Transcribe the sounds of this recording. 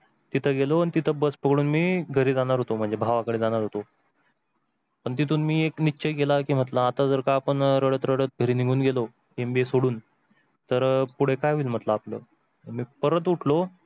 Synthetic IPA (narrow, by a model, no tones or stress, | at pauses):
t̪it̪ʰəɡeloanit̪it̪ʰəbəspəɡɽuːnmiːɡʱəɾiːd͡zaɽ̃aɾɦot̪om̤əɳd͡zebʱaʋakəɽed͡zaɽ̃aɾɦot̪o | pəɳt̪̬it̪ʰuːnmiːekniːɕeɡelakiːm̤ət̪laːt̪ad͡zəɾkaːpəɳɾəɽət̪ɾəɽət̪̚ɡʱəɾiːniɡʱuːnɡelo | embiesoɽuːn | t̪əɾpuɽ̤ekajiːlm̤ət̪laːplə̰ː | əmiːpəɾət̪̬uʈʰlo